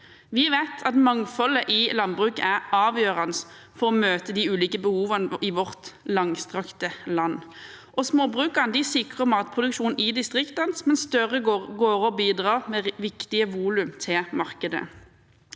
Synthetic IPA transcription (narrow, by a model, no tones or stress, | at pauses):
ʋɪʋæɪt̪ʰɑt̪mɑŋfɔləʔɪlɑnbʁʉːkəæʁɑːʋjøːʁɑnəs | fɔʁɔmøːt̪əd̪iʉːliːkəbəhuːʋɑnɪʋɔʁt̪lɑŋst̪ʁɑkt̪əlɑnː | ʔɔsmoːbʁʉːkəʁnd̪ɪsɪkʁəmɔɑt̪̚pʰʁʊd̪ʉkʃuːnɪd̪ɪst̪ʁɪkt̪ɑnsmɛnst̪œʁəɡɡoːʁɔbiːd̪ʁɑːʁmɛʋɪkt̪ɪəʋuːlʉmt̪ʰɪlmɑʁkəd̪ə̰